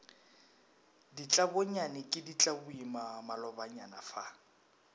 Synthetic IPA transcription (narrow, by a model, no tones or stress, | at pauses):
dit͡ɬʼaboɲanɪkʼɪdit͡ɬʼabʊimamalɔbaɲa̰nafa